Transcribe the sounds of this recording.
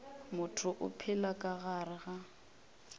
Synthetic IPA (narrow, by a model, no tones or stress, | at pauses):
mʊtʰʊʔʊ̰pʰɪlakʼaɣarɪɣa